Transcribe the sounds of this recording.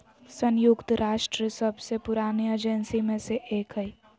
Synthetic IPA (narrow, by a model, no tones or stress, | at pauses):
sənjukt̪ɾaːʃʈɾiəsəbʱsepʊɾaːnied͡ʒensimẽseʔeːkɦəi